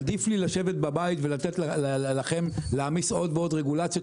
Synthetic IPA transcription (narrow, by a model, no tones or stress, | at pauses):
d̪iflilaʃe̞vet̪̚babajit̪velat̪et̪llaχe̞mleamiso̞d̪veo̞d̪ʁeɡulat͡sjot